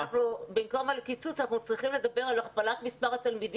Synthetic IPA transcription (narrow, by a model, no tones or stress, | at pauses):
aχnubimkomalkit͡sut͡sanaχnut͡sʁiχimle̞d̪abe̞ʁalaχpalat̪mispaʁhat̪almid̪